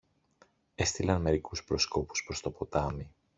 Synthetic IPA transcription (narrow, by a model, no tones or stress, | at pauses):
e̞st̪ilɐnme̞ɾikuspɾo̞sko̞pu̥spɾo̞st̪opo̞t̪ɐmi